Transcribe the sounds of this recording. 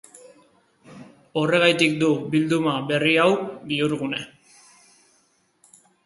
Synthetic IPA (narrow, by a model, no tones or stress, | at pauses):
o̞re̞ɣajt̪ikd̪ubild̪umaβe̞riawbiuɾɣune̞